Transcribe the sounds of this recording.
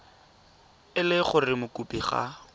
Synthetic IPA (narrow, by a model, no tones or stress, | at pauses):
ɪlɪχʊrɪmʊkʼupʼiχa̰